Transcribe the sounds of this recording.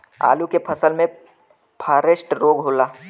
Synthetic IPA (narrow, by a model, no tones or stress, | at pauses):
a̰ːlukepʰɐsəlmẽ | pʰaːɾesʈɾoːɡɦoːlaː